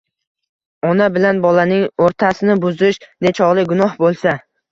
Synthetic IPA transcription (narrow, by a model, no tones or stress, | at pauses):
ɒnabɪlanbɒlanɪŋoɾt̪ʰasɪnɪbʊzɪʃd̪et͡ʃʰɒʁlˠɪɡʊnɒhbolˠsa